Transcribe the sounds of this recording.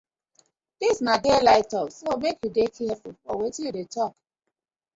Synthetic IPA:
d̥isnadelaɪtɔsomekjudekʰɛɛfulfɔwetĩjudetɔk

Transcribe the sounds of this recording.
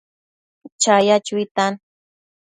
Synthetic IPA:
t͡ʃajat͡ʃʊit̪an

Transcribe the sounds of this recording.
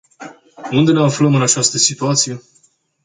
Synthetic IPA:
und̪e̞neafləmɨnat͡ʃast̪əsit̪uat̪sije̞

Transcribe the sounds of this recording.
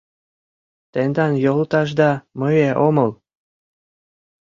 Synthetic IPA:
t̪end̪ɑnjolt̪ɑʒd̪ɑməjeʔoməl

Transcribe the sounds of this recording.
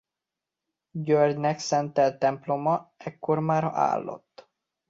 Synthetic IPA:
ɟørɟnɛksɛnt̪ɛlt̪ɛmplo̞mɒɛkːo̞rmaːɾɒʔa̰ːlːo̞̰t̪ː

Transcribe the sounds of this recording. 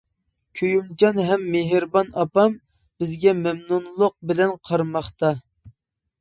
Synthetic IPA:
kʲʰøjumd͡ʒɑnɦɛmːeɦɪɾbɑnɑpɑm | b̥ɪzɡʲɛmɛmnunlˠʊq̚bɪlɛnqʰɑɾmɑχt̪ɑ

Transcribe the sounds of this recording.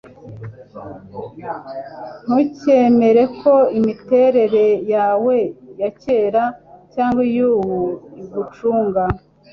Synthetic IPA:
n̥uce̞me̞ɾe̞kʰo̞imite̞ɾe̞ɾe̞jaːwe̞jace̞ːɾacaːŋɡwijuwuiɡut͡ʃuːŋɡa

